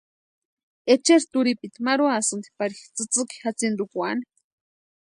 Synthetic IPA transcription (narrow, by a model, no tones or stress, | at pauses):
et͡ʃeɾt̪uɾipit̪maɾuasɨnd̪ipaɾixt͡sɨt͡sɨki̥xat͡sind̪ukuani̥